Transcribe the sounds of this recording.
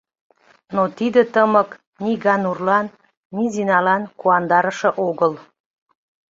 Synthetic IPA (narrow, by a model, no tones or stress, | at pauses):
not̪id̪ə̆t̪əmək | niɣɑnurlɑnː | izinɑlɑnkuɑnd̪ɑɾəʃə̆ʔoɣəl